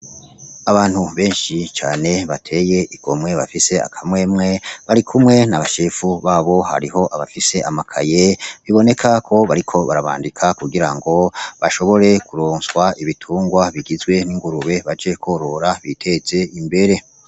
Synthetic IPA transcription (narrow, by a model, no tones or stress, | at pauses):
aβaːn̥huβe̞ːnʃit͡ʃaːne̞βatʰe̞je̞ʔiɡ̥o̞mŋe̞βa̰fise̞a̰kʰamŋe̞ːmŋe̞βaɾikʰumŋe̞naβaʃefuβaːβo̞ha̰ɾiɦo̞ʔaβafise̞amakʰa̰je̞βiβo̞ne̞kʰakʰo̞βaɾikʰo̞βaɾaβa̰ːndikʰakuɡiɾaŋɡo̞βaʃo̞βo̞ɾe̞kuɾoːnswaiβitʰuːŋɡwaβiɡizɡwe̞niŋɡuɾuβe̞βad͡ʒe̞kʰo̞ɾo̞ɾaβitʰe̞ze̞imbe̞ɾe̞